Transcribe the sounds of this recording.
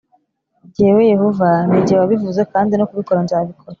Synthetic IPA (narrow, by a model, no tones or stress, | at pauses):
ɟieweje̞hovaniɟiewaβivuzekaːndinokuβiko̞ɾanzaːβikʰoɾa